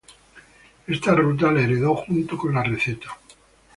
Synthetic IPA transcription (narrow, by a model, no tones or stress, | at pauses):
e̞st̪arut̪̬alaeɾe̞ðo̞xunt̪oko̞nlare̞θe̞t̪ḁ